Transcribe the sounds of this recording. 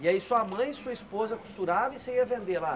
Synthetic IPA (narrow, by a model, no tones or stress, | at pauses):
iɛisuɐmɐ̃j̃suɐispozɐku̥st̪uɾavĩsẽj̃iɐvẽnd̪ela